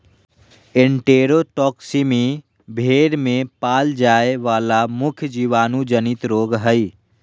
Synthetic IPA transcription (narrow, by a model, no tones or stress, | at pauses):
ẽɳʈeːɾoʈɔːksimi | bʱeːɽmẽpaːld͡ʒaːeʋaːlamʊkʰjəd͡ʒiːʋaːnud͡ʒənɪt̪ɾoːɡɦəi